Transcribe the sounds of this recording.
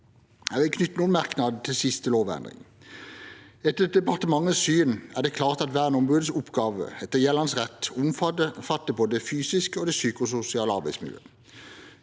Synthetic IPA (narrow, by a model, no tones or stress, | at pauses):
æʋɪkʰnʏt̪ːənuːnmæʁknɑd̪̩t̪ʰɪlsɪst̪əloːʋɛ̰nd̪ʁɪ̰ŋ | ɛt̪ːəd̪ɛpɑʁt̪əmɑŋːəsyːnæʁd̪ɛkʰlɑːʁt̪ɑt̪ʋæːʁənɔmʁuːd̪əsʊpɡɑːʋə̰ɛt̪ːəjɛːlɑnsʁɛt̪ːʊmffɑt̪ːəpʰɔd̪ɛfyːsɪskəoːd̪ɛsyːkʊsʊsɪɑːləɑʁbæɪsmɪ̰ljø̰ː